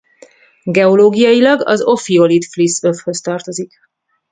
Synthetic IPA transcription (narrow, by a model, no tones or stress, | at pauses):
ɡɛoloːɡijɒjilɒɡɒ̰zo̞fio̞lit̪flisø̞fhø̞st̪ɒrt̪o̞zik